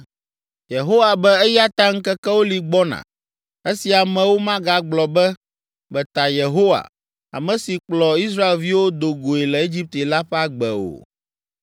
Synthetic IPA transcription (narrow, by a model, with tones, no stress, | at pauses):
je˨ɦo˦wa˨bɛ˦ɛ˦ja˦t̪a˦ŋ̩˦kɛ˦kɛ˦wo˦li˨ɡ͡bɔ˦nã̰˨ | e˦si˨a˨mɛ̃˨wo˦mã˦ɡa˨ɡ͡blɔ˨bɛ˦ | bɛ˨t̪a˨je˨ɦo˦wa̰˨ | a̰˨mɛ̃˨si˨k͡plɔ˨i˦s̬ɾa˦e˨lvi˦wo˦d̪o˨ɡo˨e˨lɛ˨e˦d͡ʑi˦p̚t̪e˨la˦ɸɛ˦a˦ɡ͡bɛ˨o̰˨